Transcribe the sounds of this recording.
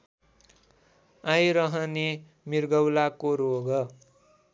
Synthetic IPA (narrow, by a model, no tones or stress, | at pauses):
ajɾʌɦʌne | mirɡʌwlakoɾoɡʌ